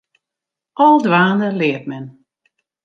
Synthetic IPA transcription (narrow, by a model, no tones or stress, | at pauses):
ʔɔlˠdʋaːnəlɪət̚mɛn